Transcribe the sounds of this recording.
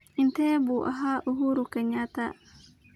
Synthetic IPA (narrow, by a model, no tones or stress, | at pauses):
int̪ɛbuʔa̰ɦaʔuɦuɾukaɲat̪a